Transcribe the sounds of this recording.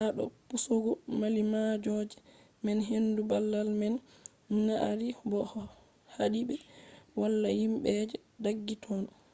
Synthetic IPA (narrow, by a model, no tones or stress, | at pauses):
naɗɔ̰pusoɡɔmalimad͡ʒɔd͡ʒɛ | mɛnɦendubalːalmɛn | naʔa̰ɾibɔh | haɗiɓɛwalːajimɓɛd͡ʒɛ | daɡːitʰɔn